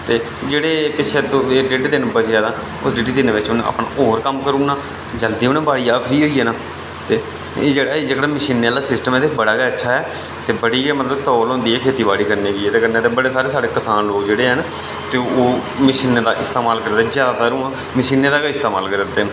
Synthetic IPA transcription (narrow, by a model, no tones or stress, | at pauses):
t̪eː | d͡ʒeːɽeːpɪʃʰeːd̪oːɖeːʈːd̪ɪnbəsjaːd̪aː | ʊsɖeːʈiːd̪ɪneːʋɪt͡ʃʊnə̰pɳa̰ːoːɾkəmkəɾuːnaː | d͡ʒəld̪iːoːnẽːbaːɽiːaːpʰɾiːɦoːiːɦɛːnaː | t̪eː | d͡ʒeːɽaːid͡ʒəkɽaːməʃiːnːeːlaːsɪsʈəmeːd̪ɪkʰbəɽaːɡaətːʃʰaːɦɛː | t̪eːbəɽiːɛmət̪ləbt̪ɔːlɦõːnd̪iːɛːkʰeːt̪iːbaːɽiːkəɾniːɦoiːɛːt̪eːkənet̪eːbəɽeːsaːɾeːsaːɽeːkəsaːnloːkd͡ʒeːɽeːɦən | t̪eːoː | mɪʃiːned̪aːʔɪst̪aːmaːlkəɾd̪d̪ːzjaːd̪aːt̪aːɾũːãː | məʃiːneːd̪aːkaɪst̪eːma̰ːlkəɾd̪t̪ːeː